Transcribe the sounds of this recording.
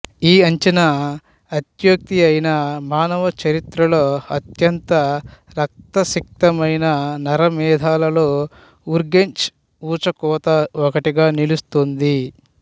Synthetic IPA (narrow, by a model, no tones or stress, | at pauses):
iːɐɲt͡ʃɐnɐ | ɐt̪jɐk̚t̪iɐjnɐmaːnɐʋɐt͡ʃɐɾit̪ɾɐlo̞ːɐt̪jɐnt̪ɐ | ɾɐk̚t̪ɐsik̚t̪ɐmɐjnɐnɐɾɐmɛːd̪ʱaːlɐlo̞ː | uɾɡeɲt͡ʃ | uːt͡ʃɐkɔːt̪ɐɔkɐʈiɡaːnilust̪ond̪i